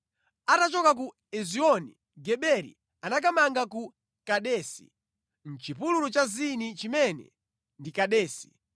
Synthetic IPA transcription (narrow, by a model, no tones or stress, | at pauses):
atat͡ʃɔkak̬u | ɛziɔni | ɡɛɓɛɾḭ | anak̬amaŋɡaku | kaɗɛːsḭ | n̩t͡ʃipululut͡ʃazinit͡ʃimɛnɛ̰ | ndikaɗɛːsi̥